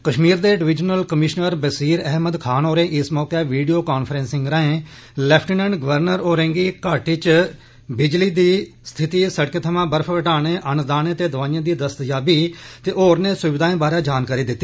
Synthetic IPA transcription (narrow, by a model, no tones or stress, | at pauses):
kəʃmiːɾd̪eːɖɪʋɪd͡ʒnəlkəmɪʃnəɾbəsiːɾɛɦməd̪kʰaːnoːɾẽːʔɪsmɔːkeːʋiːɖijoːkaːnpʰɾẽːnsɪ̃ŋɡɾaːẽː | lɛːpʰʈːnɛ̃ːɳɖɡəʋəɾnəɾoːɾɛ̃ːŋɡiːkaːʈiːt͡ʃ | bɪd͡ʒliːd̪iː | st̪ʰɪt̪iːsəɽkeːt̪ʰəmãːbəɾpʰʋəʈaːɳ̃eːʔənd̪aːnẽːt̪eːd̪əʋaːjãːd̪iːd̪əst̪d͡ʒaːbiːt̪eːʔoːɾneːsʊʋɪd̪aːẽːbaːɾeːd͡ʒaːnkaːɾiːd̪ɪt̪ːiː